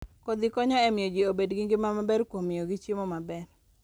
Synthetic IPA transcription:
kod̪ɪkɔɲɔɛmɪod͡ʒiobedɡiŋɡɪmamabɛrkwomɪjoɡit͡ʃjimomabɛr

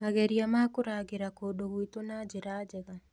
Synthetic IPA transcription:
aɣɛɾiamakoɾaɡeɾakodoɣwitonad͡ʒeɾaːd͡ʒɛɣa

